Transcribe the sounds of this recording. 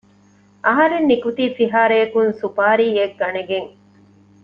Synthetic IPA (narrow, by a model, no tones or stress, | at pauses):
ʔɐɦɐɾenːikut̪iːsiɦaːɾeɐkunsupaːɾiːeɡːɐneɡeŋ